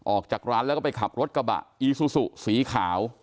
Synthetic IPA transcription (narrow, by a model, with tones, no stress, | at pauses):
ʔɔː˨˩k̚t͡ɕaː˨˩k̚ɾaː˦˥nlɛ˦˥wkɔ˥˩pa˧jkʰa˨˩p̚ɾo˦˥t̪̚ka˧ba̰˨˩ʔʔiː˨˧su˧˩su˨˩ʔsiː˩˦kʰaː˩˦w